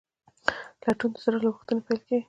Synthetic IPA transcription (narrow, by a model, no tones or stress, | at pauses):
laʈunt̪o̥saɾalaɣuxt̪ənepajlkeɡ